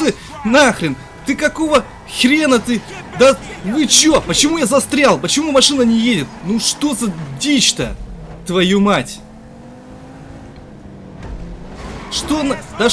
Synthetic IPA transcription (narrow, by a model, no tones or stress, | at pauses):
ɨ | naxɾʲɪn | t̪ɨkɐko̞və | xɾʲenət̪ɨ | d̪avɨt͡ɕopət͡ɕɪmujazɐst̪ɾʲalˠpət͡ɕɪmumɐʂɨnənʲɪjedʲɪt̪̚nuʂt̪o̞zədʲit͡ɕt̪ə̰t̪vɐjumatʲ | ʂt̪ond̪a